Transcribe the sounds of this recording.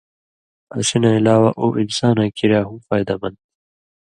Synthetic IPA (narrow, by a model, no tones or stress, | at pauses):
ɐsinailaːwaʔoːʔinsaːnãːkiɾjaːɦũmfaːjd̪ɐmɐnd̪̚